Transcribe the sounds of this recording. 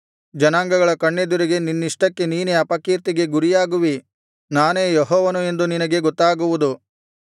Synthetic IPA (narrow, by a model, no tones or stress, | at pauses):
d͡ʒɐnaːŋɡɐɡɐɭɐkɐɳːed̪uɾiɡe̞ninːiʂʈɐkːe̞niːneɐpɐkiːɾt̪iɡe̞ɡuɾijaːɡuʋi | naːne̞ːjɔɦɔːʋɐnue̞nd̪uninɐɡe̞ɡɔt̪ːaːɡuʋud̪u